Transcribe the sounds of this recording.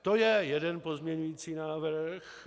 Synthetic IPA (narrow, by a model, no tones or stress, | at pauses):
t̪ojɛjɛdɛnpo̞zmɲɛɲujiːt͡siːnaːvr̩x